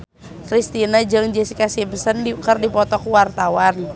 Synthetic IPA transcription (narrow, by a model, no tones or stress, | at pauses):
kɾist̪inad͡ʒɨŋd͡ʒɛsikasimsəndikərdipɔt̪ɔkwart̪awan